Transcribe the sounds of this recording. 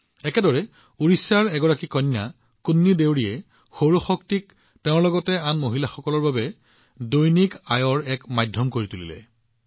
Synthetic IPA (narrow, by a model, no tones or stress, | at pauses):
ɛkɛdɔɹɛ | uɹisaɹɛɡɔɹakikɔnːa | kunːidewɹijɛ | xoɹoxɔktik̚ | tɛʊ̃ɹlɔɡɔtɛanmoɦilaxɔkɔlɔɹbabɛ | dojnikajɔɹɛkmajdʱɔmkoɹitulḭlɛ̰